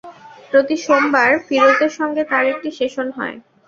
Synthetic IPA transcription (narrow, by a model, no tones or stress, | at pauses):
pɾot̪iʃombaɾfiɾot̪eɾʃɔŋɡet̪aɾek̚ʈiʃeʃonɦɔ̰e